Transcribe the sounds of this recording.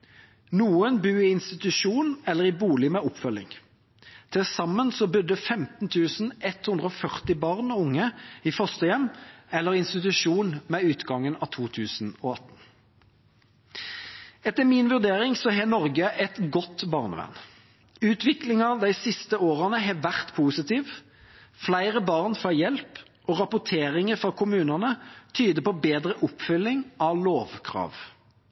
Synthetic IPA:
nuːənbʉːɪɪnst̪ɪt̪ʉʂuːnɛlːəʁɪbuːlɪmeːɔpfœlːɪ̰ŋ | t̪ʰɪlsɑmːənsɔbʏd̪əfɛmt̪n̩t̪ʰʉːsn̩ʔɛt̪hʉnd̪ʁəɔfœʁt̪ɪbɑːʁnɔʊŋːəiːfœʁst̪əjɛmːɛlːəʁɪnst̪ɪt̪ʉʃuːnmeːʉːt̪ɡɑŋːənɑ̰ːt̪ʰuːt̪ʰʉːsn̩ɔɑt̪ːn̩ | ɛt̪ːəmɪnʋʉʁd̪eːɾɪŋsɔɦɛːnɔʁɡəʔɛt̪ɡɔt̪ːbɑʁnə̰ʋæ̰n | ʉːt̪ʰʋɪklɪŋɑd̪æɪsɪst̪əoːʁənəɦɛʋæʁt̪pʰuːsɪt̪iːʋ | flæɪʁəbɑʁnfɑjɛlp | ʔɔːʁɑpʊt̪ʰeːʁɪŋəfɾɑkʰʊmʉːnənət̪ʰyːd̪əpɔbeːd̪ɾəʔʊpfʏlːɪŋʔɑʋloːʋkʰʁɑ̰ːʋ

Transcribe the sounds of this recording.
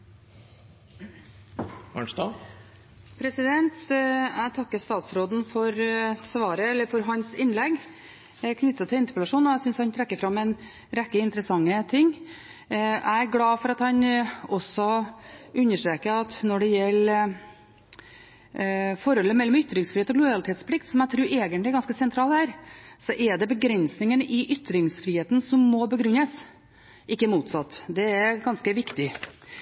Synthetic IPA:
æ̰ɳʂt̪ɑː | pʰɾɛsɪd̪ɛnt̪æɪt̪ʰɑkːəst̪ɑːt̪sɾoːd̪n̩fɔɾsʋɑːɾəɛlːəɾfɔɾɦɑnsɪnːlɛɡ | kʰnʏt̪ːət̪ʰɪɪnt̪ə̥plɑʂuːnɔæsʏnshɑnt̪ʰɾɛkːəɾfɾɑmːɛn | ɾɛkːəɪnt̪əɾəsɑŋːət̪ʰɪŋː | ʔæ̰ɪæɾɡlɑːfɔɾɑt̪hɑnɔsɔ | ʉnːəʂʈɾeːkəɾɑt̪nɔɖɛjɛlː | fɔɾɔlːəmɛlːɔmʏt̪ɾɪŋsfɾihːt̪ɔɡlʊɾɑlɪt̪ʰeːt̪spʰlɪkt̪sɔmæɪt̪ʰɾʉːɾɛːɡənlɪɛɾɡɑnskəsɛnt̪ʰɾɑːlæːɾsɔʔɛɖɛbəɡɾɛnsnɪŋənʔɪʔʏt̪ːɾɪŋsfɾiːheːt̪n̩sɔmːɔbəɡɾʉnːəs | ʔɪkːəmuːt̪sɑt̪ːd̪ɛæɾɡɑnskəʋɪkt̪ɪ

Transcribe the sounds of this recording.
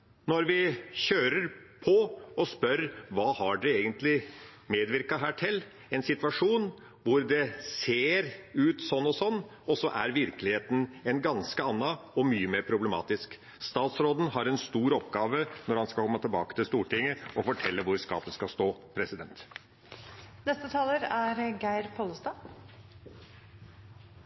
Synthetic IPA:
nɔɾʋɪɕøːɾəɾpʰɔɔspœɾʋɑːhɑɖɛeːɡənt̪lɪmeːd̪ʋɪɾkɑɦæːʈʰɪlː | ɛnsɪt̪ʋɑʂuːn | ʋʊɾd̪ɛseːɾʉːt̪sɔnːɔsɔnː | ɔsɔʔæɾʋɪɾklɪheːt̪ən̩ɛnɡɑnskəɑnːɑɔmyːəmeːɾpʰɾʊbləmɑ̰ːt̪ɪsk | st̪ɑːt̪sɾoːd̪n̩hɑɾɛnst̪uːɾɔpɡɑːʋənɔɾhɑnskɑkʰɔmːət̪ʰɪlbɑ̰ːkət̪ɪlst̪uːʈɪŋːəɔfɔʈʰɛlːəʋʊɾskɑ̰ːpəskɑst̪oːpʰɾɛsɪd̪ɛnt̪ | nɛst̪ət̪ʰɑːləɾæɾɡæɪɾpʰoləst̪ɑː

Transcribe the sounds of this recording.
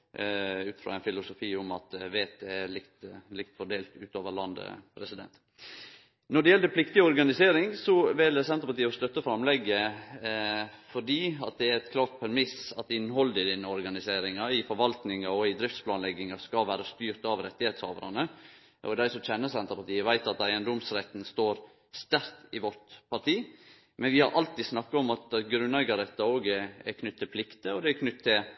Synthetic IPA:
ʉːt̪fɾɑ̰ːɛɪnfɪlʊsʊfiːʊmɑt̪ʋeːt̪ʰeːɭɪkt̪lɪkt̪fɔɖeːlt̪ʉ̰ːt̪oːʋəɭɑnd̪ə̰pʰɾɛsɪd̪ɛ̰nt̪ | nɔɖɛjɛld̪əpʰlɪkt̪ɪɔɾɡɑnɪseːɾɪŋsɔʋɪlsɛnəɾpɑt̪iːɔst̪œt̪ːəfɾɑmlɛɡːə | fɔɖiːɑt̪̚d̪ɛæɾɛt̪kʰlɑːɾt̪̚pʰɛɾmɪsɑt̪ɪnːhɔld̪ɪd̪ɪnːəɔɾɡɑnɪseːɾɪŋɑɪfɔɾʋɑlt̪nɪŋɑɔɪd̪ɾɪft̪splɑːnlɛɡɪŋɑskɑʋæːɾəst̪yːɾt̪ɑʋɾɛt̪ːɪheːt̪shɑ̰ːʋə̰ɾɑnə | ʔɔd̪æɪsɔmt͡ʃɛnːəsɛnt̪əpɑʈ̪iːəʋæɪt̪ɑt̪æɪənd̪ɔmsɾɛt̪nst̪oːɾ | st̪æɾt̪ɪʋɔɾʈ̪pʰɑʈiː | mɛnʋɪhɑɾʔɑlt̪iːd̪snɑkːɑɔmɑt̪ɡɾʉnɛɡɑd̪ɛt̪ːəoːɡækʰnʏt̪ʰːɪlpʰlɪkt̪əɔd̪ɛækʰnʏt̪ʰːɪl

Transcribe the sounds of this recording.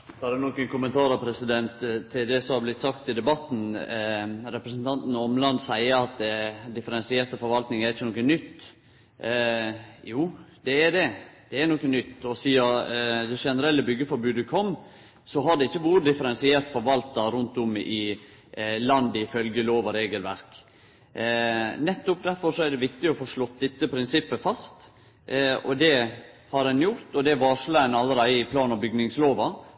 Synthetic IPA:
hɑd̪ʉnɔkənkʊmənt̪ʰɑːɾɑpʰɾɛsɪd̪ɛnt̪t̪ʰːɪld̪ɛsɔmhɑɾblɪt̪ːsɑkt̪ɪd̪ɛbɑt̪ːn̩ | ɾɛpɾəsn̩t̪ʰɑnt̪n̩ɔmlɑnd̪sæɪəɾɑt̪ɛd̪ɪfəɾɛnsɪɛːɾt̪əfɔɾʋɑlt̪nɪŋæɾɪçːənɔːkənnʏt̪ː | juːd̪̥ɛːd̪ɛd̪̥ɛæɾnɔkənʏt̪ːɔsiːɑd̪ɛʂɛnəɾɛlːəbʏɡːəfɔɾbʉːd̪əkʰɔm | sɔɦɑɖ̪ɛɪçːəʋuːɾəd̪ɪfəɾɛnsɪɛːɾt̪fɔɾʋɑlt̪ɑɾʉnt̪ʊmɪ | lɑnd̪əɪfœlɡəloːʋɑɾeːɡəlʋæ̰ɾk | nɛt̪ːʊp̚d̪æɾfɔɾʂɔɛɖ̪ɛʋɪkt̪ɪɔfoːʂlɔt̪ːd̪ɛt̪ːəpʰɾɪnsɪpːəfɑst̪ | ɔd̪ɛhɑɾɛnjʊɾt̪ɔd̪ɛʋɑːʂlɑɛnɑlːəɾæɪɪpʰlɑːnɑbʏɡnɪŋsloːʋɑ

